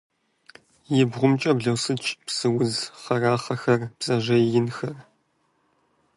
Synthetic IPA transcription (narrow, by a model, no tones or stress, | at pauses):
jɪbʁʷʊmt͡ʃʼɐbɮɐwsɨt͡ʃʼpsɨwʊzχɐraːχɐxɐrb̥z̥ɐʑɐjɪnxɐr